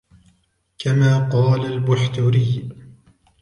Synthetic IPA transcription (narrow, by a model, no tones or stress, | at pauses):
kamaːqɑːlalbʊħt̪ʊɾɪj